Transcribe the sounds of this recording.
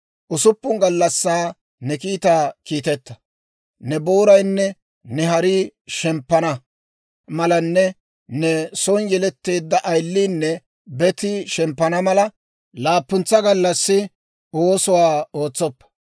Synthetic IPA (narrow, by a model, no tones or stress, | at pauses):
ʔʊsʊpːʊŋɡɐlːɐsːaː | nɛkiːt̪aːkiːt̪ɛt̪ːɐ̥ | nɛbo̞ːɾɐjnːɛ | nɛɦɐɾiːʃɛmpːɐnɐ | mɐlɐnːɛ | nɛsɔnjɛlɛt̪ːe̞ːd̪ːɐʔɐjlːiːnːɛ | bɛt̪ɪʃɛmpːɐnɐmɐlɐ | laːpːʊnt͡sːɐɡɐlːɐsːɪ | oːsʊwaːo̞ːt͡sːɔpːɐ̥